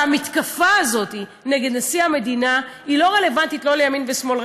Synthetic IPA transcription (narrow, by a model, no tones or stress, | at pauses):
amit̪kafaːzo̞ti | neɡed̪nasiame̞dina | ilo̞ʁe̞le̞vantitlo̞lejaminvesmo̞l